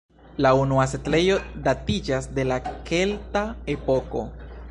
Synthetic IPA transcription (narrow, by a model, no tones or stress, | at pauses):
launuasetle̞jo̞datid͡ʒasde̞lakeltae̞po̞ko̞̰